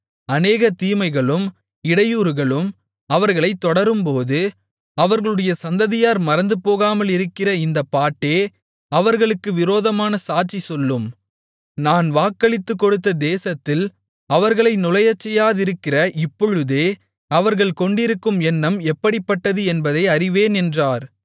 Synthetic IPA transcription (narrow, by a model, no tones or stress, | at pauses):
ɐneːɣɐt̪iːmɐɪɣɐɭɯm | ɪɽɐjuːɾɯɣɐɭɯm | ɐʋɐɾɣɐɭɐɪt̪ːɔɽɐɾɯmpoːðɯ | ɐʋɐɾɣɐɭɯɽɐjɐsɐnd̪ɐðɪjaːɾmɐɾɐnd̪ɯpoːɣaːmɐlɪɾɯkːɪrɐɪnd̪ɐpːaːʈːeː | ɐʋɐɾɣɐɭɯkːɯʋɪɾoːðɐmaːnɐsaːʈ̚t͡ʃisɔlːɯm | naːnʋaːkːɐɭɪt̪ːɯkːɔɽɯt̪ːɐd̪eːsɐt̪ːɪl | ɐʋɐɾɣɐɭɐɪnʊlɐjɐt͡ʃːɛjːaːðɪɾɯkːɪrɐʔɪpːɔɻɯðeː | ɐʋɐɾɣɐɭkɔɳɖɪɾɯkːɯmɛnːɐmɛpːɐɽɪpːɐʈːɐðɯɛnbɐðɐɪɐɾɪʋeːnɛndraːɾ